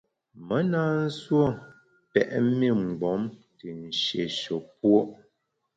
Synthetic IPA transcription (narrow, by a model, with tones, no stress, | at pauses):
mə˦naː˦n̩˦swo˦˨ | pɛ̰˨ʔmi˦˨ŋ͡m̩˨ɡ͡bɔ˨˦mti˨n̩˨ʃḛ˨ʃo˨p̚wo˦ʔ